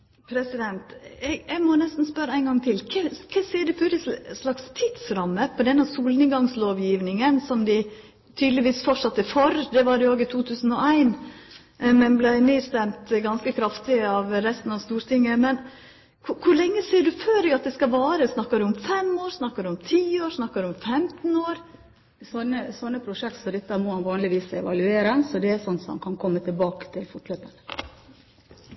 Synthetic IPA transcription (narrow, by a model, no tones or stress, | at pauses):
pʰɾɛsɪd̪ɛnt̪ɛɡɛɡmɔnɛst̪n̩spœɾəæɪnɡɑŋt̪ʰɪlkʰɛkʰɛsiːɖʉfʉɾɪslɑkst̪ʰɪt̪sɾɑmːəpʰɔd̪ɛnːɑsuːlnɪŋɡɑŋsloːʋjiːʋnɪŋənsɔmd̪ɪ | t̪ʰyːd̪əlɪʋiːsfɔʈʂɑt̪ːəfɔɾd̪ɛʋɑɖɛoːɡɪt̪ʰuːt̪ʰʉːsən̩ɔæɪn | mɛnblæɪneːst̪ɛmt̪ɡɑnskəkʰɾɑft̪ɪəɑʋɾɛst̪n̩ɑʋst̪uːɾt̪ʰɪŋːəmɛn | kʰʊkʰʊɾlɛŋːəsiːɖʉføːɾɪɑt̪̚d̪ɛskɑʋɑːɾəsnɑkːɑdʉɔmfɛmoːɾsnɑkːɑɖʉʊmt̪ʰiːoːɾsnɑkːɑɖ̪ʉɔmfɛmt̪noːɾ | sɔnːəsɔnːəpʰɾʊʂɛk̚t̪sɔd̪ɛt̪ːəæɾmɔmɑnʋɑːnlɪʋiːsɛ̰ʋɑlʉeːɾɛnsɔd̪ɛæsɔnːsɔmɑ̰nkʰɑnkʰɔmːət̪ʰɪlbɑːkə̥t̪ʰɪlfʊʈ̪løːpənə